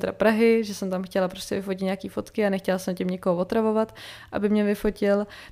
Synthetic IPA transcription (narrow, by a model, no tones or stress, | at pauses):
t̪ɛɾapɾaɦɪʒɛsɛmt̪amxcɛlapɾo̞scɛvɪfocɪt̪ɲeakiːfo̞t̪kɪanɛxcɛlasɛmcɛmɲɪkoɦovot̪ɾavo̞vat̪ʔa̰bɪmɲɛvɪfo̞cɪl